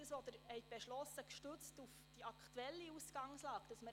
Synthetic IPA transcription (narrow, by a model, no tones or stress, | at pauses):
dəsʋɔd̪əɾhɛɪt̚b̥eʃlɔsəkʃtøt͡stufd̥iɑkʰχtuɛlːiusɡ̥ɑŋslɑːkd̥ɑsmə